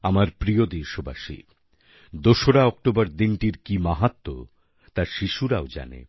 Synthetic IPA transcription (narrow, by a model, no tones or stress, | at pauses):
amaɾpɾiod̪eɾʃoba̰ʃḭ | d̪oʃoɽaɔk̚ʈobaɾd̪inʈiɾkimaɦat̪ːo | t̪aɾʃiʃuɾaod͡ʑa̰nḛ